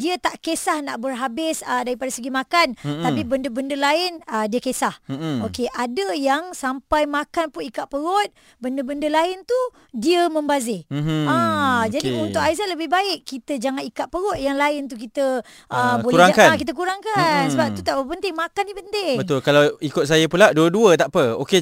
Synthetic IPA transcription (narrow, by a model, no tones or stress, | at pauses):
diət̪aʔkesahnaʔbərɦabɪsədaɾipadasəɡimãkant̪apibəndəbəndəlaɪnədiəkesahokeʔadəjaŋsampajmakanpʊnikaʔ̪̚pəɾɔt̪̚ | bəndəbəndəlaɪnt̪u | diəmə̃mbazɪhad͡ʒadiunt̪ʊkaizat̪ləbɪhbaɪʔkːit̪əd͡ʒaŋanikaʔ̪̚pəɾɔʔ̪̚jaŋlaɪnt̪̬uk̬it̪ə | ʔəboluɛɾaŋkakit̪ək̬uɾaŋkansəbap̚t̪ut̪aʔbəpənt̪ɪŋmakandipənt̪ɪŋbət̪ʊlkalawikʊt̪̚sajəpulaʔduəduət̪aʔpəo̰ke